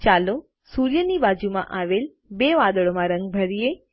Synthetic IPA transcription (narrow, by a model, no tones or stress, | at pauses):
t͡ʃalo | suɾjənibad͡ʒumã̰ʔaʋel | beʋad̪əɭomãɾə̃ŋɡ̚bʱəɾije